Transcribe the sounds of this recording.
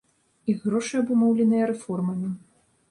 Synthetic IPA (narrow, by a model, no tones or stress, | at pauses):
iɣːɾɔʂɨjɐbumɔwlʲɛnɨjɐɾɛfɔrmɐmʲi